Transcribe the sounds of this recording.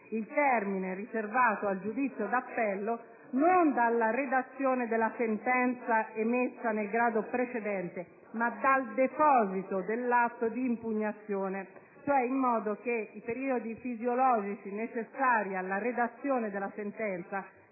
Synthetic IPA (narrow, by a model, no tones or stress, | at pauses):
ilt̪ɛrmineriservaːt̪oald͡ʒud̪it̪sːjod̪apːɛlːo | nond̪alːared̪at̪sːjoːned̪elːasent̪ɛnt̪saɛmːesːanelɡɾaːd̪opɾet͡ʃed̪ɛnt̪e | mad̪ald̪epɔːzit̪od̪elːat̪ːod̪iːmpuɲːat̪sːjoːne | t͡ʃoɛimːɔːd̪ok̟eipeɾiːod̪ifizjolɔːd͡ʒit͡ʃinet͡ʃesːaːɾialːaɾed̪at̪sːjoːned̪elːasent̪ɛnt̪sa